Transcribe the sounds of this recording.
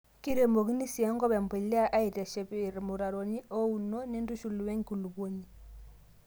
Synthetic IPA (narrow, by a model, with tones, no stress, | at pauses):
ki˦ɾe˨mbo˨ɣi˦ni˦si˨a˦ŋɡɔ˦βɛ˨mbe˨la˦ʔa˦i˨ta˨ʃɛ˨βi˨ɾi˨mu˨ɾa˨ɾo˨ni˦ʔo˦u˨no˦ni˦ndu˦ʃu˨lu˨we˦ŋku˨lu˨βo˦ɲi˨